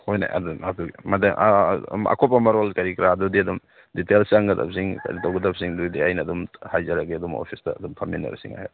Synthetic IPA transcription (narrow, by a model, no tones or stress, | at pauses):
hojna̰a̰dunatuɡimɐdaŋʔa̰kʰɔpːamɐɾolkɐɾikiɾaːdudiɐdum | ditelsaŋɡɐda̰p̚siŋka̰jditawɡɐdap̚siŋdujdiajnɐːdumhajzaɾaɡeɐdumo̰pʰisdɐ̰ɐdumpʰaminːa̰ɾa̰siŋa̰ha